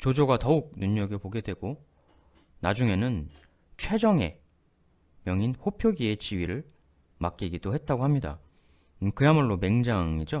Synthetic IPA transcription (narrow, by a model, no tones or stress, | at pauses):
t͡ɕod͡ʑoɡatʌuk̚nuɲːʌɡepoɡe̞dwe̞ɡ̥o | nad͡ʑuŋe̞nɯn | t͡ɕʰwe̞d͡ʑʌŋe̞̰ | mjʌŋinɸopʰjoɡie̞t͡ɕiɥiɾɯɭ | mak͈iɡid̥ohe̞t̚t͈aɡohamɲida̰ | kɯjamuɭːome̞ŋd͡ʑaŋid͡ʑo